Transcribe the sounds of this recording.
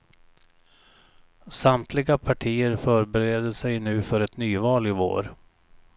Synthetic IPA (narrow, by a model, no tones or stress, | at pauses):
samt̪ʰlɪɡapʰaʈʰiːəɾfœɾbɛɾeːd̪əsɛjnʉ̟ːfœɾɛt̪nyːvɑːlɪvo̰ːɾ